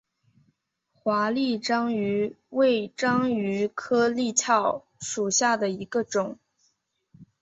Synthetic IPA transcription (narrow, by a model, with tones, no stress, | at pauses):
xwa˧˥li˥˩ʈ͡ʂɑ˥ŋy˧˥ | we˥˩ɪʈ͡ʂɑ˥ŋy˧˥kʰɤ˥li˥˧t͡ɕʰjɑ˥˩ʊ | ʂu˨˩ɕja˥˩d̪ə˩i˧˥ɡə˧ʈ͡ʂʊ˨˩˦ŋ